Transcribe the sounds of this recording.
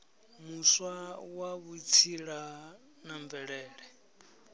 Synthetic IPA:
muswawaβuit͡sʰiɺa | naɱvɛɺɛːɺɛ

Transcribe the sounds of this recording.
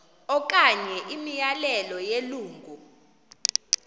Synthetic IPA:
ɔk̬ʼaɲɛʔimijalɛlɔjeluːŋɡʱu

